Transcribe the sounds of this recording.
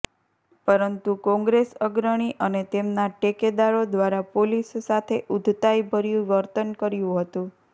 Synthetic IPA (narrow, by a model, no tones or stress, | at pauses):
pəɾənt̪ukɔ̃ŋɡɾesəɡɾəɽ̃iʔənet̪emnaʈeked̪aɾod̪ʋaɾapolisːat̪ʰeʔud̪ʱt̪ajbʱəɾjũʋəɾt̪ənkəɾjũɦət̪ũ